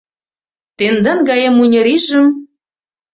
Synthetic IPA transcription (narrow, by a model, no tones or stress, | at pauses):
t̪end̪ɑnɡɑjemunʲɤ̆ɾiʒə̆m